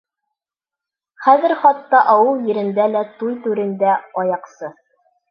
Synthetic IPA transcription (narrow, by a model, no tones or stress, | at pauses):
χæðɘ̆ɾχɑt̪ːɑʔɑwɤlˠjɘ̆ɾɘ̆nd̪ælæt̪ujt̪ʉɾɘ̆nd̪æɒjɑqsɤ